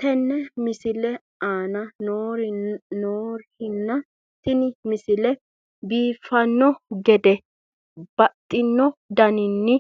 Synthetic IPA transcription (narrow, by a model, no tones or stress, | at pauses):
t̪ɛnːɛmɪsɪlɛ | aːnɐnoɾnoːɾhɪnːɐ | t̪ɪnɪmɪsɪlɛ | biːfɐnːɔɡɛd̪ɛ | b̥ɐt̪ʼːɪnːɔd̪ɐnɪnːɪ